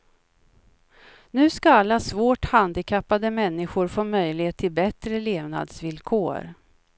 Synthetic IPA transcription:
nʉ̟ːskaalːasvoːʈhand̪ɪkʰapːad̪əmɛnːɪɧʊɾfoːmœjlɪheːt̪ʰːɪlbɛt̪ɾəleːvna̰d̪svɪlkʰo̰ːɾ

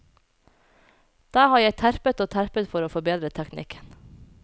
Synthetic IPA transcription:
d̪̥ɑːhɑːɾjæɪt̪ʰæɾpət̪oːt̪ʰæɾpət̪fɔɾoːfɔbeːd̪ɾət̪ʰæknɪ̰kʰə̥n

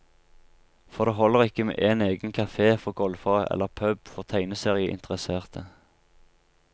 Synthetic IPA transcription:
fɔʁd̪eːɦɔlːəʁɪkːəmḛːʔeːneːɡənkʰɑfeːfɔʁɡɔlfɑʔɛ̰lːəʁpʰœbfɔʁt̪ʰæɪnəseːʁɪəʔɪ̰nt̪əʁəseːʁt̪ʰə

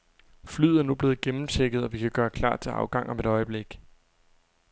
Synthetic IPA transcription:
flyð̰ˠæɐnub̥le̝ːð̩ˠɡ̥emm̩t͡sʰeɡ̥əð̩ˠɒ̽ʋikʰæɡ̥ɶːɐkʰlɑ̰̥̈ːt͡sʰe̝lɑ̈ʊɡ̥ɑ̈ŋʔɒ̽me̝ɾ̥ɒ̽ɪəb̥le̝ɡ̥

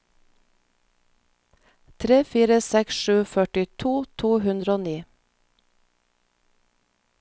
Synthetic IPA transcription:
t̪ʰɾeːfiːɾəsɛksʃʉːfœʈɪt̪ʰuːt̪ʰuːhʉnd̪ɾoːniː

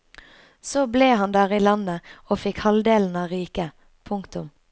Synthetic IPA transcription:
soːbleːhɑnd̪æːʁiːlɑnəoːfɪkhɑld̪eːln̩ɑːʁiːkə | pʰʊŋkt̪ʊm

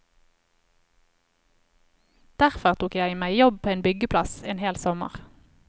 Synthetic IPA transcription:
d̪̥æʁfɔʁt̪ʰuːkjæɪmæɪjɔb̚pʰoːeːnbʏɡəpʰlɑseːnheːlsɔmə̰ʁ

